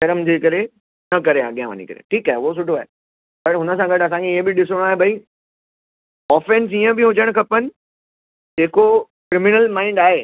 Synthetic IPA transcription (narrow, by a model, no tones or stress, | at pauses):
ʃɐɾəmd͡ʑeːkɐɾe | nɐkɐɾea̰ɠjãʋə̰ɲḭkɐ̰ɾḛʈʰiːkaːɦeʊɦos̬ʊʈoaːe | pɐɾɦʊnə̆s̬ãɡɐɖɐs̬ãːkʰeebɪɗɪsəɽ̃aːɦebʱɐi | ɔːfẽns̬iə̃bɪɦʊd͡ʑəɽ̃kʰɐpənɪ̆ | d͡ʑeːkokɾɪmɪnəlmãːɪ̃ɳɖaːɦeː